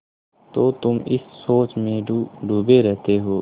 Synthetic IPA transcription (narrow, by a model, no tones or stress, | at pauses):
t̪oːt̪ʊmɪ̰sːoːt͡ʃmẽɖʱuːbeɾɛɦt̪eɦoː